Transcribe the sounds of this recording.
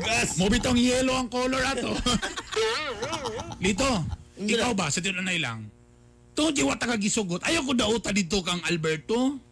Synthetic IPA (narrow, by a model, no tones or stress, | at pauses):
ɡamobɪt̪oŋjɛːloɐŋkoːloɹat̪o | lit̪oʔɪkawbasɐt̪̬ɪnʔɐnajla̰ŋ | t̪ʊd͡ʒ̪ɪwat̪ɐɡaɡɪsʊɡot̪̚ɐjawkod̪ɐʔuːt̪ad̪id̪̚t̪okɐŋʔɐlbɛɹt̪o